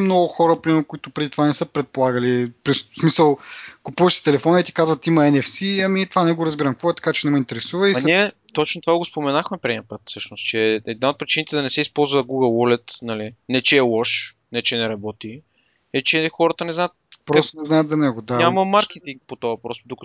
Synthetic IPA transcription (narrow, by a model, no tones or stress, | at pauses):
mnɔɡʊxɔɾəpɾimɛɾʊkʊit̪ʊpɾɛd̪it̪vanɛsɤpɾɛt̪̚polˠaɡəlipɾissmisəlˠkʊpuvɐʃt̪i̥t̪ɛlɛfɔnɐit̪i̥kazvɐt̪imɐɛnɛfsiɐmit̪ovanɛɡoɾɐzbiɾɐmkvɔɛt̪ɐ̥kat͡ʃɛnɛmoint̪ɛɾɛsuvəiɐniɛt̪ot͡ʃnot̪ovaɡospomɛnaxmɛpɾʲiiəpət̪fsɤʃnost̪t͡ʃɛɛd̪̚naot̪̚pɾit͡ʃinit̪ɛd̪ɐnɛsɛispɔlˠzvəɡuɡəlˠwɔlɛt̪nɐlinɛt͡ʃɛːlˠɔʃ | nɛt͡ʃɛnɛɾɐbɔt̪i | ɛt͡ʃɛxɔɾət̪ənɛznaət̪̚pɾɔst̪onɛznajət̪zɐnɛɡod̪aɲaməmaɾk̟ɛt̪iŋk̚pot̪oɐpɾɔst̪d̪ukə